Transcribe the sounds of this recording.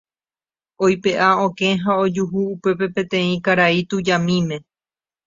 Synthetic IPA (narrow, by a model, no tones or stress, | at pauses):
ojpe̞ʔaõkẽ̞ɦao̞d͡ʒuɦuːpe̞p̬e̞pẽ̞t̪ẽ̞ĩkaɾait̪ud͡ʒamĩmẽ̞